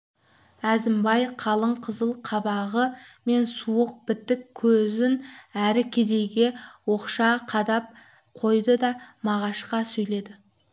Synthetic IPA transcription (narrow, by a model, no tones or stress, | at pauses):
æzɪmbɑjqʰɑlˠəɴqʰəzəlˠqʰɑbɑʁəme̞nsuəq̚b̥ɪt̪ːɪkʲʰːɵzɪnæɾɪkʲʰe̞d̪e̞jɡʲe̞wo̞qʃɑqʰɑd̪ɑp̚ | qʰo̞jd̪əd̪ɑmɑʁɑʃqɑsɵjle̞d̪ɪ